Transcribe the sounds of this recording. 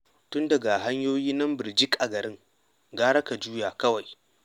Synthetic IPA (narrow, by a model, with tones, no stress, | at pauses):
tʊ˦ndɐ˨ɡa˨ɦa˦ɲjoː˦jiː˦nɐ˦mbɪ˨rd͡ʒɪ˦kʼʔa˨ɡɐ˨ɾɪ˦ŋ | ɡaː˦ɽɐ˦ka˨d͡ʒuː˦jaː˨kɐ˦wa˨j